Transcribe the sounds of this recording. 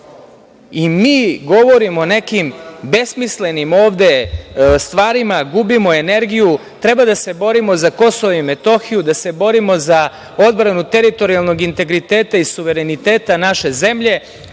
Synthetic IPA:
imiːɡo̞ʋo̞ɾimo̞ne̞kimbe̞smisle̞nimoːʋd̪e̞st̪ʋaːɾimaɡubimo̞e̞ne̞ɾɡiju | t̪ɾe̞bad̪ase̞bo̞ɾimo̞zako̞soʋoime̞t̪o̞xijud̪ase̞bo̞ɾimo̞za | od̪bɾanut̪e̞ɾit̪o̞ɾialˠno̞ɡint̪e̞ɡɾit̪eːt̪aisuʋe̞ɾenit̪e̞ːt̪anaʃe̞ze̞mʎe̞

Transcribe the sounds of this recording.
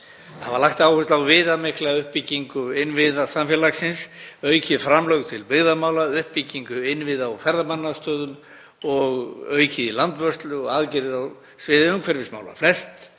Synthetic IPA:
avaɾlaxt̪aːwhʏst̪lawvɪðamɪhklaʏhpiciŋkʏɪnːvɪðasamfjɛlaksɪnsœːɥcʰɪðfɾamlœwɣt̪ʰɪlpɪɣðamaːwlaʏhpiciŋkʏɪnːvɪðawfɛɾðamanːast̪œːðʏn | ɔɣœːɥcʰɪðilant̪vœsst̪lʏɔ̰aðcɪɾɪðaw | svɪːðɪʏmkʰvɛɾvɪsma̰ːwla̰flɛst̪

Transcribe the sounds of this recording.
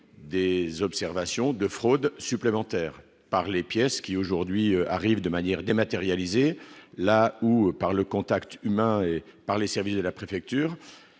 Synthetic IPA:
d̪ezɔpsɛʁvasjɔ̃d̪əfχod̪syplemɑ̃t̪ɛːʁ | paʁlepjɛskʲioʒuʁd̪ɥiøa̰ʁivd̪əmanjɛʁd̪emat̪eʁjalizelaupaʁləkɔ̃t̪akt̪ymɛ̃epaʁlesɛʁvisd̪əlapχefɛk̚t̪yːʁ

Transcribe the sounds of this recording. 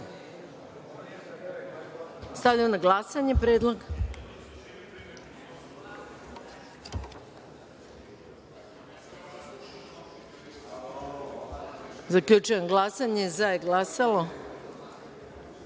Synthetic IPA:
st̪aʋʎʲamonaɡlˠasaɲepɾeːd̪lˠo̞ɡ | zakʎut͡ʃujemɡlˠasaɲezajeɡlasalo

